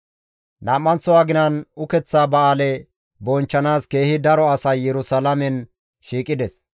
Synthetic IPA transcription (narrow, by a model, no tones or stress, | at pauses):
naːmːɐnt͡sɔwaːɡɪnɐnʊkɛt͡sːaːbɐaːlɛ | bɔnt͡ʃːɐnaːske̞ːhɪd̪ɐɾɔɐsɐjːɛɾʊsalɐmɛn | ʃiːkʼːɪd̪ɛs